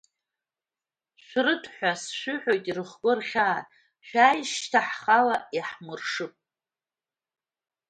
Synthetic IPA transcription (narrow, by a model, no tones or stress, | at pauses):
ʃʷrɨtʰħʷᶣasʃʷʏħʷᶣojtʼirɨχɡʷʼʊrχʲaː | ʃʷᶣajʃtʰaħχalaiħmɨrʂɨpʼ